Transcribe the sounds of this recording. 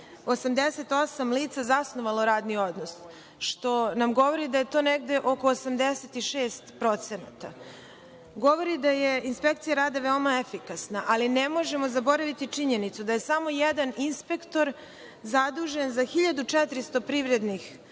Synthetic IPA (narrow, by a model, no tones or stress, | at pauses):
osamd̪eset̪o̞samliːt̪sazasnoʋaloɾaːd̪nio̞d̪nos | ʃt̪o̞namɡo̞ʋo̞ɾid̪ajet̪o̞ːneɡd̪eʔo̞koːsamd̪eset̪iʃeːst̪pɾo̞t̪senat̪a | ɡo̞ʋo̞ɾid̪ajeinspekt̪sijaɾaːd̪aʋeomaefikasnaʔalinemo̞ʒemo̞zabo̞ɾaʋit̪it͡ʂiɲenit̪sud̪aje̞samo̞jed̪aninspe̞kt̪o̞ɾ | zad̪uːʒenzaxiʎad̪ut͡ʂɛt̪ɾist̪o̞pɾiːʋɾe̞d̪nix